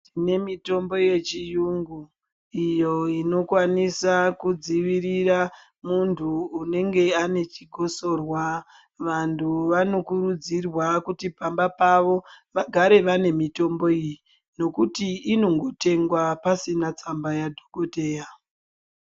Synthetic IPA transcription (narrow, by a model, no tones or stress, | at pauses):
tine̞mito̞mbo̞je̞t͡ʃijuŋɡu | ijo̞ino̞kwanisakud͡ziʋirira | muntʰuːne̞ŋɡe̞ane̞t͡ʃiɡʱo̞so̞rwa | ʋantʰuʋano̞kurud͡zirwakutipambapaʋo̞ʋaɡʱaɾe̞ʋane̞mito̞mbo̞iji | no̞kutiːno̞ŋɡo̞te̞ŋɡwapasinat͡sambajadʱoko̞te̞ːja